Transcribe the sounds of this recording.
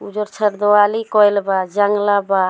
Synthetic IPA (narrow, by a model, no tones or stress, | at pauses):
ud͡ʒɔɾt͡ʃʰəɾd̪ɔwalikɔjlbad͡ʒaŋlaba